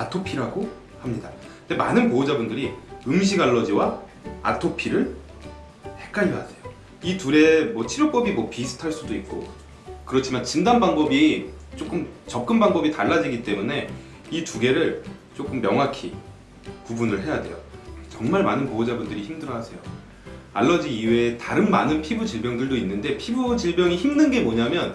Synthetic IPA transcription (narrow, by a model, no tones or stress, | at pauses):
atʰopʰiɾaɡo | hamɲidandemanɯnpoːd͡ʑabundɯɾiɯŋɕ̬ʰiɡaɭːʌd͡ʑiwa | a̰tʰopʰiɾɯɭ | he̞k͈aiɦasʰe̞jo | ituɾe̞mwʌt͡ɕʰiɾjok̚p͈ʌbimwʌpisʰɯ̥tʰaɭs͈udoik̚k͈o̰ | kɯɾʌt͡ɕʰimant͡ɕindanbaŋbʌbit͡ɕ͈ok͈ɯmt͡ɕʌp̚k͈ɯnbaŋbʌbitaɭːad͡ʑiɡit͈e̞mune̞ | ituɡe̞ɾɯɭt͡ɕ͈ok͈ɯmːjʌŋɦakʰi | pubunɯɭɦe̞jadwe̞̰jo̰t͡ɕʌŋmaɭmanɯnpood͡ʑabundɯɾiçimdɯɾʌɦasʰe̞jo | aɭːʌd͡ʑiːwetaɾɯnmanɯnpʰibud͡ʑiɭbjʌŋdɯɭdoinːɯnde̞pʰibud͡ʑiɭbjʌŋiçimnɯnɡe̞moɲamjʌn